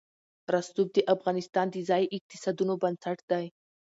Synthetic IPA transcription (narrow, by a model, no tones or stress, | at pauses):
ɾast̪ub̚d̪əʔafɣɑnɪst̪ɑnd̪əzɑjʔɪq̚t̪ɪ̥sɑd̪unobansaʈd̪aj